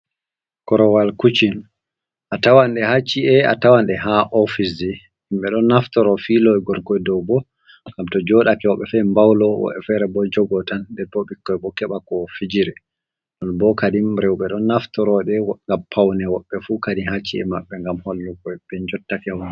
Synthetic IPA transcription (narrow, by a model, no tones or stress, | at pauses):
kɔɾɔwalkut͡ʃin | ʔatawanɗɛhat͡ʃːiɛa̰tawanɗɛhaʔɔfisɛ | himɓɛɗɔnːaftɔɾɔfilɔɡɔɾkɔjdɔwbɔ | ɡamtɔd͡ʒɔɗakɛwɔɓːɛfɛmbawlɔwɔ̰ɓɛ̰fɛɾɛbɔd͡ʒɔɡɔtandɛɾpɔɓikːɔjbɔkɛɓakɔfid͡ʒiɾɛ | ɗɔnbɔkadimɾɛwɓɛɗɔnːaftɔɾɔɗɛŋɡampʰawnɛwɔɓːɛfukadihat͡ʃːiɛ̰maɓːɛŋɡamhɔlːukɔjbɛnd͡ʒɔtːakɛwɔn